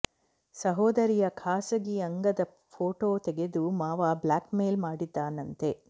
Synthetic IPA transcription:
sɐɦoːd̪ɐɾijɐkʰaːsɐɡiɐŋɡɐd̪ɐ | pʰoːʈoːt̪ɛɡe̞d̪umaːʋablaːkmeːlmaːɽid̪ːaːnɐnt̪e̞

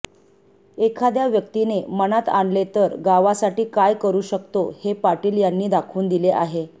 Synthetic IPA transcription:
ekʰad̪jaʋjək̚t̪inemənat̪aɳlet̪əɾɡaʋasaʈiːkajkəɾuːɕəkt̪ohepaʈiːljanːiːd̪akʰuːnd̪ileʔaɦe

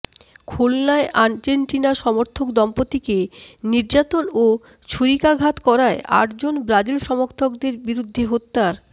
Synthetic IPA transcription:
kʰolnaeʔand͡ʑeɳʈinaʃɔmoɾt̪ʰokd̪ɔmpot̪ikeniɾd͡ʑat̪ono | t͡ɕʰuɾikaɡʱat̪kɔɾaea̰ʈd͡ʑonbɾad͡ʑilʃɔmoɾt̪ʰok̚d̪eɾbiɾud̪ʱːeɦot̪ːaɾ

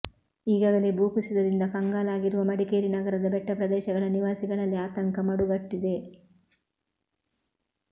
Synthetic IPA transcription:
iːɡaːɡɐlebʱuːkisid̪ɐd̪ind̪ɐkɐŋɡaːlaːɡiɾuʋɐmɐɽikeːɾinɐɡɐɾɐd̪ɐbɛʈːɐpɾɐd̪ɛːʃɐɡɐɭɐniʋaːsiɡɐɭɐlːiaːt̪ɐŋkɐmɐɽuɡɐʈːid̪e̞

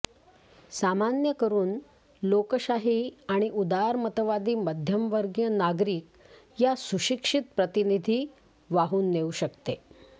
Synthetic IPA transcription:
samanjəkəɾuːn | lokəɕaɦiaɽ̃iʔud̪aɾmət̪əʋad̪iːməd̪ʱjəmʋəɾɡjənaɡɾiːk̚ | jasuɕikʂit̪̚pɾət̪inid̪ʱiː | ʋaɦuːnːeuɕəkt̪e

